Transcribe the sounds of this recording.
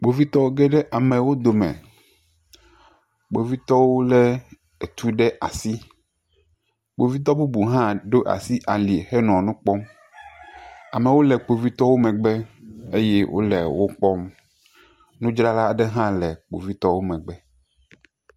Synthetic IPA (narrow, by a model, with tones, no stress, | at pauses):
k͡po˨vi˦t̪ɔ˦wo˦ɡɛ˦ɖɛ˦ʔa˨mɛ˨wo˦d̪o˨mɛ̰̃˨ | k͡po˨vi˦t̪ɔ˦wo˦lɛ˦ | e˨t̪u˦ɖɛ˦ʔa˨si˦ | ɡ͡bo˨vi˦t̪̬ɔ˦bu˦bu˨ɦã˦ɖo˦ʔa̰˨si˦ʔa˨li˨e˨xɛ˦nɔ̃˨nũ˦k͡pɔ˦m | a˨mɛ˨wo˦lɛ˨k͡po˨vi˦t̪ɔ˦wo˦mɛ̃˨ɡ͡bɛ˦e˦je˦wʔo̰˦lɛ˨wo˦k͡pɔ˦m | nũ˦d͡ʒɾa˦la˦a˨ɖɛ˦ɦã˦lɛ˨k͡po̰˨vi˦t̪ɔ˦wo˦mɛ̃˨ɡ͡bɛ˦